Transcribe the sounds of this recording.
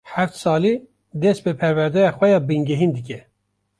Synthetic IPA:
ħæft̪sɑːli | d̪ɛsbɨpʰɛɾvæɾd̪ɛjɑxʷɛjɑbɨŋɡɛɦind̪ɨkʲɛ

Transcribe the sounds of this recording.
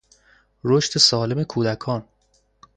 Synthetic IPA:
ɾoʃt̪ʰesɒːle̞me̞kʰuːd̪ækʰɒːn

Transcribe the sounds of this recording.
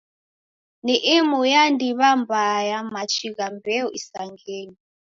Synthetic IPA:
niʔimujandiβambajamat͡ʃʰiɣambɛɔʔisaŋɡeːni

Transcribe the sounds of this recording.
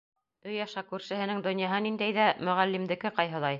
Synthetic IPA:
ɵjɑʃɑkʉɾʃɘ̆ɦɘ̆nɘŋd̪ŏnjɑɦɤnind̪æjðæmɵ̆ʁælːimd̪ɘ̆kɘqɑjɦɤ̆lˠɑj

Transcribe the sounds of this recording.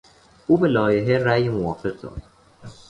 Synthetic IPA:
ʔuːbe̞lɒːjeɦeræjmovɒːfe̞ɣd̪ɒ̰ːd̪̥

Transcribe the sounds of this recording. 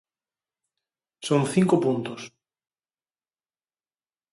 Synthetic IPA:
sõŋθiŋkopunt̪ʊs

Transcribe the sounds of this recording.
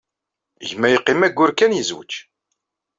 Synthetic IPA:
ʝmːæjəqːimæɡʷːʊɾkːænjəzwə̰t͡ʃː

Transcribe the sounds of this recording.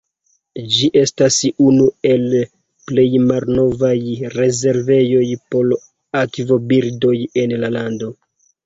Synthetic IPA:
d͡ʒiʔe̞stasunue̞l | ple̞jmalno̞vajɾe̞ze̞ɾve̞jo̞jpo̞l | akvobiɾdo̞je̞nlalando̞

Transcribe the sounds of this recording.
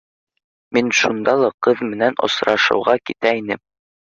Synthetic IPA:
minʃund̪ɑlˠɑqɤðmɘ̆nænŏ̰sɾɑʃɤ̰̆wʁɑkit̪æinɘm

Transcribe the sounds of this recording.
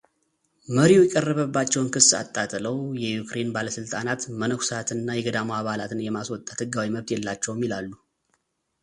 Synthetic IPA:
məɾiujɛkʼərːəβəbːat͡ʃːɛwnkʰɨsːa̰t̪ʼːat̪ʼləwjɛjukʰɾe̞nbaləsɨlt̪ʼanat̪mənəkʷsat̪ʰɨnːajɛɡəd̪amoaβalat̪ʰɨnjɛmaswɔt̪ʼːat̪hɨɡawiməβt̪jɛlːat͡ʃːɛwmːilalːu

